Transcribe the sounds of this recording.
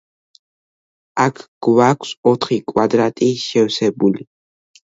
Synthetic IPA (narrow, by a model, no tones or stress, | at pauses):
akʰɡ̥wakʷʼsɔt̪χikʼwad̪ɾat̪ʼiʃɛwsɛbuli